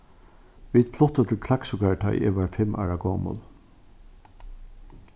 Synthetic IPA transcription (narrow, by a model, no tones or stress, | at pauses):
ʋiːd̪fʰlʊht̪ət̪ʰɪlkʰlaksʊkat̪ʰa̰jʔḛʋaːɹfɪmʔa̰ːɹaɡoːmʊ̰l